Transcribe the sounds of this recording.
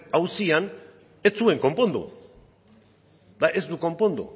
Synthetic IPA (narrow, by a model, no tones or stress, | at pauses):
awsian | et͡sue̞ŋko̞mpo̞nd̪ṵ | d̪aʔe̞zd̪uko̞mpo̞nd̪ṵ